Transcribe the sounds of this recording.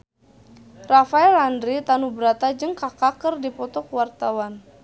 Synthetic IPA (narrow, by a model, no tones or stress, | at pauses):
rafaɛlandɾit̪anubəɾat̪ad͡ʒɨŋkakakərdipɔt̪ɔkwart̪awan